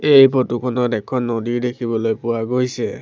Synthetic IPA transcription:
ejpʰɔtʊkʰɔnɔdɛkʰːɔnːɔdiɹdekʰibɔlojpʊwaɡojsɛ

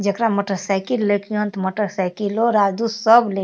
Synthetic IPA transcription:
d͡ʒəkɾamoʈəɾsajkilːekiont̪moʈəɾsajkiloɾad̪usəble

